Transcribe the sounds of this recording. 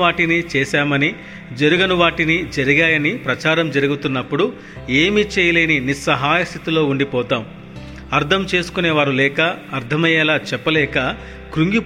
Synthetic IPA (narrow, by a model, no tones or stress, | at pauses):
aːʈinit͡ʃɛːʃaːmɐni | d͡ʒɐɾiɡɐnuʋaːʈinid͡ʒɐɾiɡaːjɐnipɾɐt͡ʃaːɾɐmd͡ʒɐɾuɡut̪unːɐpːuɽu | eːmit͡ʃeːjɐleːninisɐɦaːjɐst̪ʰit̪ilo̞ːuɳɖipɔːt̪aːm | ɐɾt̪ʰɐmt͡ʃe̞ːsu̥kuneːʋaːɾulɛːkɐːɾt̪ʰɐmɐjɛlaːt͡ʃɛpːɐlɛːkɐ | kɾuŋɡi